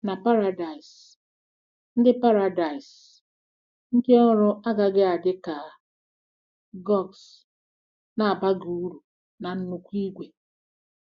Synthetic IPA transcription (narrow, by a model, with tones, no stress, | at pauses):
na˨pa˦ɾa˨da˨i˨s | n̩˦dɪ˦pa˦ɾa˨da˨ɪ˨s | ŋ̩˦ke˦ɔ˦ɾʊ˦a˦ɡa˨ɡɪ˦a˨dɪ˦ka˨ | ɡɔ˦˨ks | na˨a˨ba˦ɡu˨˦ɾu˨ | na˨n̩˦nu˨kʷi˦ɡʷe˨